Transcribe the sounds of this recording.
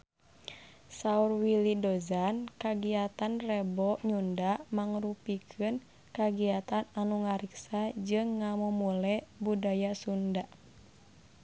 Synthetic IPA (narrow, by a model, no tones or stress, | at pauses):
saurwilidɔzankaɡiat̪anrɛbɔɲundamaŋɾupikʰɨn | kaɡiat̪ananuŋaɾiksad͡ʒɨŋːamɔmulɛbudajasunda